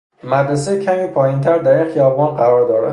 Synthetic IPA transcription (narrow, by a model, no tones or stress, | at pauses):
mæd̪ɾes̬ecʰæmiːpʰɒːjint̪ʰæɾd̪æɾinxijɒːbɒːnɢæɾɒːɾd̪ɒːɾæ̰